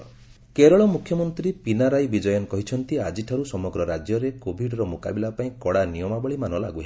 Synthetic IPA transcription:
keɾɔɭɔmukʰːjɔmɔnt̪ɾipinaɾajbid͡ʒɔjɔnkɔɦit͡ʃʰɔnt̪iad͡ʒiʈʰaɾusɔmɔɡɾɔɾad͡ʒjɔɾekobʱiɖɔɾɔmoka̰bilapaĩkɔɽanijɔmabɔɭimanɔla̰ɡuɦe

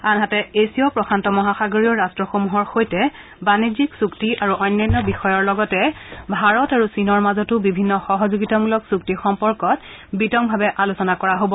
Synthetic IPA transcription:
anɦatɛesiɔpɹɔxʰantɔmɔɦaxaɡoɹijɔɹastɹɔxomuɦɔɹxojtɛ | baniziksuktiʔaɹuʔɔjnːjajnːɔbixɔjɔɹlɔɡɔtɛbʱaɹɔtaɹusinɔɹmazɔtʊbibʱinːɔxɔɦɔzuɡitamulɔksuktixɔmpɔɹkɔt | bitɔmbʱabɛʔalusɔnakɔɹaɦobɔ

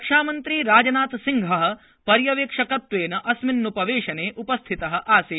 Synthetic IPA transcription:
ɐkʂaːmɐnt̪ɾiːɾaːd͡ʒɐnaːt̪siŋɡʱɐɦɐ̆ | pɐɾjɐʋeːkʂɐkɐt̪ʋeːnɐʔɐsminːupɐʋeːʂɐneːʔupɐst̪ʰit̪ɐɦɐ̆ʔaːseː

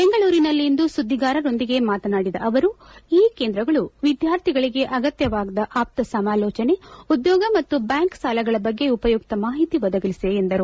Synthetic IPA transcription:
be̞ŋɡɐɭuːɾinɐlːind̪usud̪ʱːiɡaːɾɐɾo̞nd̪iɡe̞maːt̪ɐnaːɽid̪ɐʔɐʋɐɾuiːkeːnd̪ɾɐɡɐɭuʋid̪jaːɾt̪ʰiɡɐɭiɡe̞ʔɐɡɐt̪jɐʋaːɡd̪ɐʔaːp̚t̪ɐsɐmaːlɔːt͡ʃɐne̞ud̪jɔːɡɐmɐt̪ːubjaːŋksaːlɐɡɐɭɐbɐɡːe̞upɐjuk̚t̪ɐmaːɦit̪iʋɐd̪ɐɡɐlisieːnd̪ɐɾu

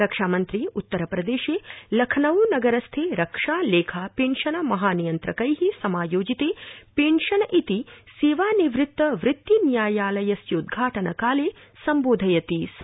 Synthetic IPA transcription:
ɾɐkʂaːmɐnt̪ɾiut̪ːɐɾɐpɾɐd̪eːʃeːlɐkʰɐnɐʋunɐɡɐɾɐst̪ʰeːɾɐkʂaːleːkʰaːpeːɳʃɐnɐmɐɦaːnijɐnt̪ɾɐkɐjɦisɐmaːjoːd͡ʒit̪eːpeːɳʃɐnɐʔit̪iseːʋaːniʋɾɪt̪ːɐʋɾɪt̪ːinjaːjaːlɐjɐsjod̪ɡʱaːʈɐnɐ̰kaːleː | sɐmboːd̪ʱɐjɐt̪iːs

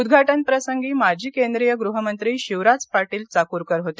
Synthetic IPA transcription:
ud̪ɡʱaʈənpɾəsəŋɡiːmad͡ʑʱiːkend̪ɾijəɡɾuɦəmənt̪ɾiːɕiʋɾad͡zpaɾʈiːlt͡sakuːɾkəɾɦot̪e

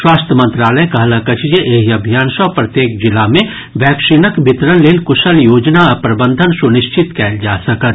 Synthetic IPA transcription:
ʃwaːst̪ʰjəmə̃nt̪ɾaːləjkɐɦlɐkət͡ʃd͡ʒeʔeːɦiɐbʱijaːnʃɔpɾɐt̪jeːkd͡ʒɪlamẽ | ʋjɛːkʃɪnəkbɪt̪ɾənleːlkʊʃəljoːd͡ʒnaɐpɾɐbə̃nd̪ʱənsʊnɪʃt͡ʃɪt̪kɛːld͡ʒaːsɐkət̪

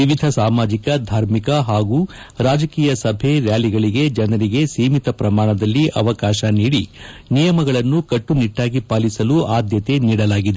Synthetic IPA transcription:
iʋid̪ʱɐsaːmaːd͡ʒikɐd̪ʱaːɾmikɐɦaːɡuː | ɾaːd͡ʒɐkiːjɐsɐbʱe̞ɾjaːliɡɐɭiɡe̞d͡ʒɐnɐɾiɡe̞siːmit̪ɐpɾɐmaːɳɐd̪ɐlːiʔɐʋɐkaːʃɐniːɽinijɐmɐɡɐɭɐnːukɐʈːuniʈːaːɡipaːlisɐluaːd̪jɐt̪e̞niːɽɐlaːɡid̪e

